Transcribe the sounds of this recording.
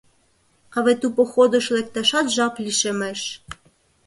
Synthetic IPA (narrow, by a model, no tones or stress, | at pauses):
kɑβet̪upoxod̪ɤ̆ʃlek̚t̪ɑʃɑt̪ʒɑplʲiʃemeʃ